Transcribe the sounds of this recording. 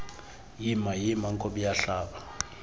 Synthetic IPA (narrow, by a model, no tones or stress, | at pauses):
jimajimaŋ̩kʼoɓijaɬaːɓa